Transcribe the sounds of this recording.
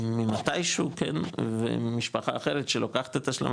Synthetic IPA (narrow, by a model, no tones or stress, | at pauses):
mimat̪ajʃukʰḛnvḛmiʃpaχaːχe̞ɾet̪ʃelokaχḁt̪et̪aʃla̰m